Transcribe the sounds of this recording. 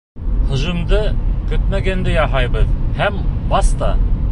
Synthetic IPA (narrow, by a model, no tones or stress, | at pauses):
hɤ̆ʑɤ̆md̪ɤkɵt̪̚mæɡænd̪ɘjɑɦɑjbɤðhæmbɑst̪ɑ